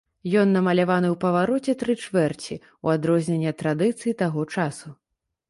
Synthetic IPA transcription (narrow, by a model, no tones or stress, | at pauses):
jɔnːɐmɐlʲavanɨwpɐvaɾɔt͡sʲɛt̪ɾɨt͡ʂvɛrt͡sʲi | ṵad̪ɾɔzʲnʲɛnʲːɐt̪ɾad̪ɨt̪sɨjit̪aɣɔt͡ʂasu